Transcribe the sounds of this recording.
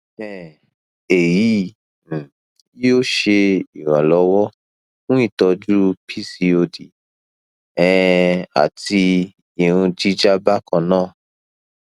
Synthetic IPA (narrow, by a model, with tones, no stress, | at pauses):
ɛ˨ | e˨jĩ˨˦˨ | o˦˨ʃe˧i˨wa˨lɔ˨˦wɔ˦ | fũ˦i˦˨tɔ˧d͡ʒu˦pʰi˦˨si˧o˧di˨ | ɛ˨a̰˨ti˧ | i˨ɾũ˧d͡ʒi˦d͡ʒa˦ba˦kã˧nãː˦˨